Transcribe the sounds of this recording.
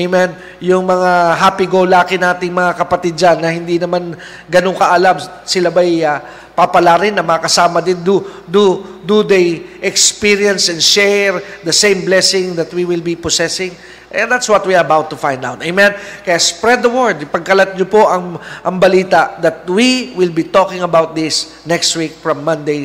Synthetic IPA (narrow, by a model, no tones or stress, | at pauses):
ejmɛn | jʊŋmɐŋaɦaːpiɡolaːkɪnaːt̪ɪŋmɐŋakɐpɐt̪id̪̚d͡ʒanːɐhɪnd̪inɐman | ɡɐnoŋkɐʔɐlam | sɪlabɐjɐ | papɐlaɾɪnːɐmɐkɐsaːmɐd̪ɪnd̪u | d̪ud̪ud̪ejʔɛkspiɹjɐnsɛnʃɛɹd̪ɐsẽjmblɛsɪ̃ŋd̪ɐt̪̚wiwɪlbiposɛsɪ̃ŋ | ʔɛd̪at̪swɔt̪̚wiɐbawt̪ːʊfãjnd̪awt̪ɐjmɛ̃nkɐjaspɹɛd̪ɐwɔɹd̪̚pɐɡ̚kɐlɐt̪̚ɲopoʔɐŋʔɐŋbɐliːt̪aʔd̪ɐt̪̚wiwɪlbit̪okɪ̃ŋɐbawt̪̚d̪ɪs | nɛkst̪wik̚fɹɐ̃mːɐ̃nd̪ej